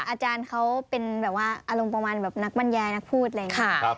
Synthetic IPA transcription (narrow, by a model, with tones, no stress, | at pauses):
ʔaː˧t͡ɕaː˧nkʰa˦˥wpe˧nbɛː˨˩p̚waː˥˩ʔaː˧lo˧mpa˧maː˧nbɛː˨˩p̚na˦˥k̚ba˧˥˨njaː˧jna˦˥k̚pʰuː˥˩t̪̚laː˧˨˩